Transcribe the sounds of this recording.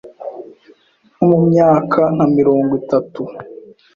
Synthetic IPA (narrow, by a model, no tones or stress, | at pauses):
nomumɲaːkʰaŋ̥hamiɾoːŋɡwitatu